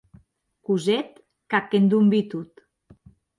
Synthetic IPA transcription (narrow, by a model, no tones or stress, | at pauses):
kuzet̪ | kakːend̪umbit̪ut̪